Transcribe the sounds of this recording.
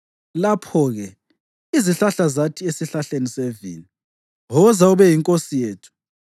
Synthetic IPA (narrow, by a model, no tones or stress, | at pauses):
lapʰɔɣɛ | iziɬaɬazatʰiesiɬaɬenisevḭli | ɦɔzauβɛjiŋkʼosijeːtʰu̥